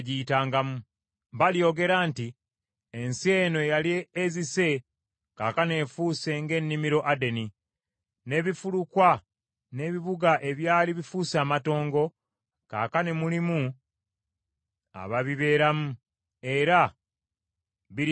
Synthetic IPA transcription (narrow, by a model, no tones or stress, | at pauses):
ɟiːtaːŋɡamu | βaljo̞ɡe̞ɾanti | ense̞ːno̞jalieːzise̞ | kaːkane̞ːfuːse̞ŋɡe̞nːimiɾo̞ʔade̞ni | ne̞ːβifulukwa | ne̞ːβiβuɡaʔe̞βjaːliβifuːsaːmato̞ːŋɡo̞ | ka̰ːkanemulimu | a̰βaβiβe̞ːɾamu | e̞ɾa | βi